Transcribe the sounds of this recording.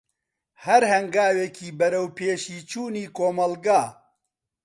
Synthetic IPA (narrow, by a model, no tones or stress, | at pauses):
hɐɾhɐŋɡaːwekiːbɐɾɐwpeːʃiːt͡ʃuːniːkoːmɐlɡaː